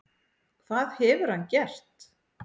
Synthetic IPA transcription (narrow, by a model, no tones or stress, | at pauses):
kʰvaːðhɛvʏɾ̥hanːcɛr̥t̪